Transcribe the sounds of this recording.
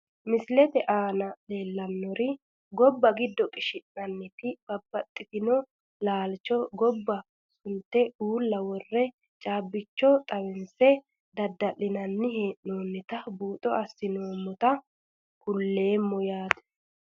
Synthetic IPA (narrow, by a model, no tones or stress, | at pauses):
mɪslɛt̪ɛʔaːnɐle̞ːlːɐnːɔɾɪ | ɡɔbːɐɡɪd̪ːɔkʼɪʃɪnːɐnːɪt̪ɪb̥ɐbːɐt̪ʼːɪt̪ɪnɔ | laːlt͡ʃɔɡɔbːɐ | sʊnt̪ːɛuːlːɐwɔrːɛ | t͡ʃʼaːbːɪt͡ʃːɔt̪ʼɐwɛnsɛ | d̪ɐd̪ːɐlɪnɐnːɪheːʔnoːnːɪt̪ɐbuːt̪ʼɔɐsːɪnoːmːɔt̪ɐ | kʊlːe̞ːmːɔjaːd̪ɛ̥